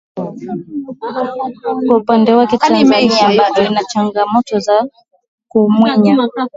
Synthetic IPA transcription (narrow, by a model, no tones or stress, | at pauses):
kwaupandɛwakɛtazaniabavɔinat͡ʃaŋɡamɔtɔza | kumwɛɲa